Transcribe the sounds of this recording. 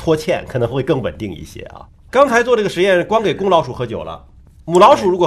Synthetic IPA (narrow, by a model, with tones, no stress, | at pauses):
t̪ʰwɔ˥t͡ɕʰjɛ̰˥˩nkʰɤ˨˩nɤ˧˥ŋxwe˥˧ɪkɤ˥˩ŋwə̰˨˩nt̪i˥˧ŋḭ˥˩ɕjɛ̰˥ɐ̰˧ | kɑ˥ŋt͡sʰɪt͡swɔ˥˧ʈ͡ʂɤ˥˩ɡə˩ʂɻ̩˧˥jɛ˥˧nʂ̩˥˩kwɑ˥ŋke˨˩ɪkʊ˥ŋlɑ˧˥ʊʂu˨˩xɤ˧˥t͡ɕjo̰˨˩ʊlə̰˦ | mu˨˩lɑ˧˥ʊʂu˨˩ɻu˧˥kwɔ˨˩